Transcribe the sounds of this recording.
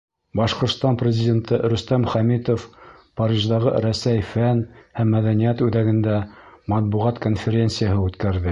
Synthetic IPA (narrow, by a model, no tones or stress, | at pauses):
bɑʃqŏɾt̪st̪ɑnprʲɪzʲɪdʲent̪ɤɾɵ̆st̪æmχæmit̪ofpɑɾʲiʒd̪ɑʁɤɾæsæjfænhæmːæðænijæt̪ʉðæɡɘ̆nd̪æmɑt̪̚buʁɑt̪konfʲeɾʲent̪sɨjəɦɤʉt̪kæɾðɘ